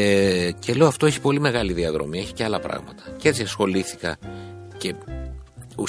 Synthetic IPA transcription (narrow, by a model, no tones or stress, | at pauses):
ece̞le̞oɐft̪oeçi̥po̞lime̞ɣɐliðiɐðɾo̞̰mieçi̥ce̞ɐlɐpɾɐ̰ɣmɐ̰t̪ɐ̥cee̞t͡siɐsxo̞liθi̥kɐ̰ce̞ | u